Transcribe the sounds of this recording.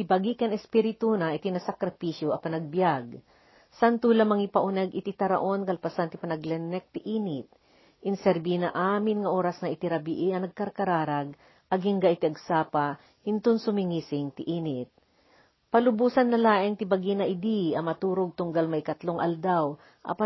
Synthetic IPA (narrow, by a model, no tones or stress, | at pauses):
t̪ɪbɐɡikɐnɛspiɾɪt̪unɐʔɪt̪inɐsɐkɾɐpiʃjoʔɐpɐnɐɡ̚bjaɡ̚ | sant̪ulɐmɐŋipɐʔʊnɛɡɪt̪it̪ɐɾɐ̰ʔo̞nkɐlpɐsant̪ɪpɐnɐɡlɛnɛk̚t̪ɪʔiːnɪt̪̚ | ʔɪnsɛɾbinɐʔaːmɪnŋɐʔo̞ːɾɐsnɐʔɪt̪iɾɐbiʔiɐnɐɡ̚kɐɾkɐɾaːɾaɡ | ʔɐɡhɪŋɡaʔɪt̪iɐɡsaːpa | hɪnt̪ʊnsʊmɪŋiːsɪŋt̪ɪʔiːnɪt̪̚ | pɐlʊbuːsɐnːɐlaːʔɪŋt̪ɪbɐɡinɐʔɪd̪iɐmɐt̪uːɾoɡ̚t̪ʊŋɡalmɐkɐt̪loŋʔɐ̰ld̪aw | ʔɐ̰pa